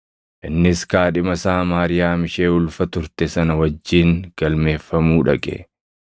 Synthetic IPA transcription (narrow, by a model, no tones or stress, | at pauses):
ʔɪnːɪskaːᶑɪmɐsaːmaːɾɪjaːmɪʃe̞ːʊlfɐt̪ʊɾt̪ɛsɐnɐwɐd͡ʒːiːŋɡ̥ɐlme̞ːfːɐmuːᶑɐɡʼɛ̰